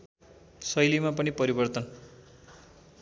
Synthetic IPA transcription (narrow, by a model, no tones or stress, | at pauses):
sʌjlimap̬ʌnipʌɾibʌrt̪ʌn